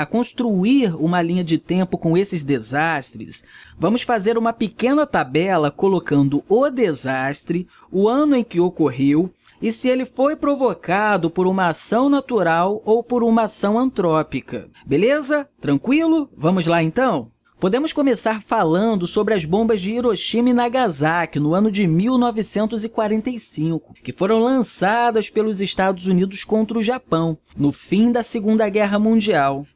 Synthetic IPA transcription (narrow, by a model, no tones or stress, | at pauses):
ɐkõst̪ɾuiɾũmɐlĩɲɐd͡ʒɪt̪ẽpʊkõw̃esɪzd̪ezaʃt̪ɾɪ̰svɐ̃mʊsfazeɾũmɐpekẽnɐt̪abɛlɐkolokɐ̃nd̪ʊʊd̪ezast̪ɾɪ | ʊɐ̃nʊẽj̃kɪokoɦew | ɪsɪelɪfojpɾovokad̪ʊpoɾũmɐasɐ̃w̃nat̪uɾawowpoɾũmɐasɐ̃w̃ɐ̃nt̪ɾɔpikɐ̰ | belezɐt̪ɾɐ̃ŋkwilʊvɐ̃mʊzlaẽnt̪ɐ̃w̃ | pod̪ẽmʊskõmesaɾfalɐ̃nd̪ʊsobɾɪɐzbõmbɐzd͡ʒɪiɾoʃimɪnaɡazakɪnʊɐ̃nʊd͡ʒɪmiwnɔvɪsẽnt̪ʊzɪkwaɾẽnt̪ejsĩŋkʊ̥kɪfoɾɐ̃w̃lɐ̃sad̪ɐspelʊzɪʃt̪ad̪ʊzunid̪ʊskõnt̪ɾɐʊʒapɐ̃w̃ | nʊfĩd̪ɐsɪɡũnd̪ɐɡɛɦɐmũd͡ʒiaw